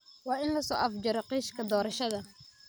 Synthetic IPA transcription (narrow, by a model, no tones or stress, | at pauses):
wɑːʔɪnlɐsɔːʔɐfd͡ʒɐɾɔqiːʃkʰɐd̪ɔːɾɐʃɐðɐ